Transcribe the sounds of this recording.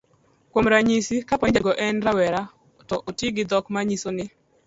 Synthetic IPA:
kwomɾaɲisikapɔnɪd͡ʒaɡɔʔɛnɾawɛɾa | tɔʔotiɡɪd̪ɔkmaɲisonɪ

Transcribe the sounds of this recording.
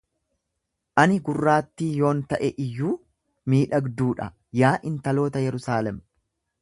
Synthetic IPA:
ʔɐnɪɡʊrːaːt̪ːiːjo̞ːnt̪ɐʔɛʔɪjːuː | miːᶑɐɡd̪uːᶑɐ̰ | jaːʔɪnt̪ɐlo̞ːt̪ɐjɛɾʊsaːlɛm

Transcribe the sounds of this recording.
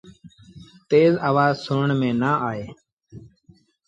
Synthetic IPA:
t̪eːzaːʋaːzsʊəɳmẽːnaːʔaːeː

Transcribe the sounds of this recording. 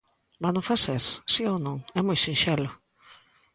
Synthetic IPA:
banõfaseɾsionõŋɛmojsinʃɛlʊ

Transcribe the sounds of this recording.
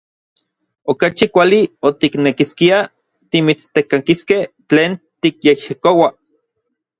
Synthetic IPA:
okat͡ʃikʷaliot̪iknekiskia | t̪imit͡st̪ekakiskeh | t͡ɬeːnt̪ikjehjikowa

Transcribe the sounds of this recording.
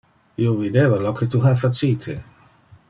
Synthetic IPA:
iovid̪evalɔket̪uɦafat͡siːt̪ʰḛ

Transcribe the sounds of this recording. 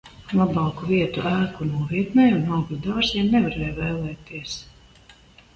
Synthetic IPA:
lˠabɑːkuviɛt̪uʔæːkunuɔviɛt̪nɛjunawɡɾud̪aːziɛmnɛvaɾɛːjvɛːlˠɛːt̪iɛs

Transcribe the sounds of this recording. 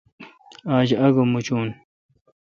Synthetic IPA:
aːd͡ʑɐɡomut͡ɕuːn

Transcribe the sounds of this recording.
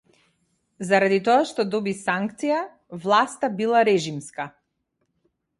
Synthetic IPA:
zaɾad̪it̪ɔaʃt̪ɔd̪ɔbisaŋkt̪sija | vlˠast̪abilˠaɾɛʒimska

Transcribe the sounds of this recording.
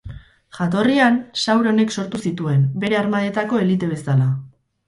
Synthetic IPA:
ʝat̪o̞riansawɾo̞ne̞kso̞ɾt̪usit̪ue̞nbe̞ɾe̞aɾmaðe̞t̪ako̞e̞lit̪e̞βe̞sala

